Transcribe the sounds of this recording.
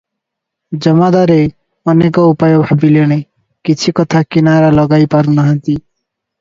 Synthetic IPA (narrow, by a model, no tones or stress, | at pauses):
d͡ʒʌmad̪aɾe | ʌnekɔupajɔbʱabileñe | kit͡ʃʰikɔt̪ʰakinaɾalɔɡajpaɾunaɦʌnt̪i